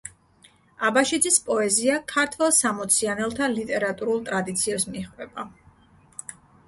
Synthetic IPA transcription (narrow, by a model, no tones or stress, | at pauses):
abaʃid̪zispʼɔɛziakʰaɾt̪ʰvɛlˠsamɔt̪sʰianɛlˠt̪ʰalit̪ʼɛɾat̪ʼuɾulˠt̪ʼɾad̪it̪sʰiɛsmiχvɛba